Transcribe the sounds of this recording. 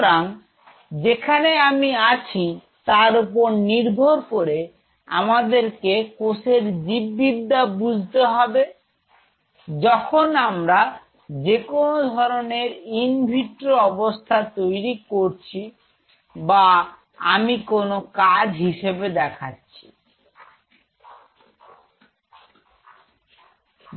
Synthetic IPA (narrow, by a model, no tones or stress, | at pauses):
ɾaŋ | d͡ʑekʰaneamiat͡ɕʰi | t̪aɾupoɾniɾbʱoɾkoɾe | a̰mad̪eɾkekoseɾd͡ʑibːid̪ːabud͡ʑʱt̪eɦɔbe | d͡ʑɔkʰonamɾa | d͡ʑekonod̪ʱɔɾoneɾinbʱiʈɾoɔbost̪ʰat̪ojɾikoɾt͡ɕʰi | ba | amikonokad͡ʑɦiʃebed̪ɛkʰatːɕʰi̥